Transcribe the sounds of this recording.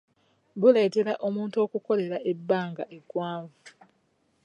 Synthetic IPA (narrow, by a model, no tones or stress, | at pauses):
βule̞ːte̞ɾaʔo̞muːntuo̞ːkuko̞le̞ɾae̞bːaːŋɡaʔe̞ɡwaːɱvu